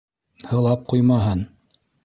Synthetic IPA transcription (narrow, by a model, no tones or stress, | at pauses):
hɤ̆lˠɑp̚qujmɑɦɤn